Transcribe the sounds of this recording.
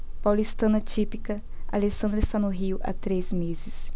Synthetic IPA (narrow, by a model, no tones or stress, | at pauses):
pawlist̪ɐ̃nɐt͡ʃipikɐ | a̰lesɐ̃nd̪ɾeɪst̪anʊɦiʊʔa̰t̪ɾezmezɪs